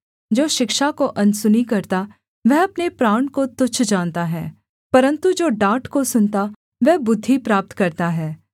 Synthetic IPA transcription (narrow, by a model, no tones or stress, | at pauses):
d͡ʒoːʃɪkʃakoʔɐnsʊnikɐɾt̪a | ʋɛɦɐpnepɾaːɳ̃kot̪ʊt͡ʃʰd͡ʒaːnt̪aɦɛː | pɐɾə̃nt̪ud͡ʒoːɖaːʈkosʊnt̪a | ʋɛːbʊd̪ʱːipɾaːp̚t̪kɐɾt̪aɦɛː